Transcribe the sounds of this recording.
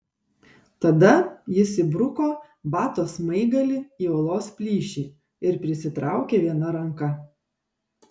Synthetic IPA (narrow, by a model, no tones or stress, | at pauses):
t̪ɐd̪ɐjɪsʲɪbɾʊkoː | bɑːt̪oːsmɐɪɡɐlʲɪiːoːlˠoːspʲlʲiːʃʲiː | ɪɾpʲɾʲɪsʲɪt̪ɾɑˑʊkʲeːʋʲiɛnɐɾɐŋkɐ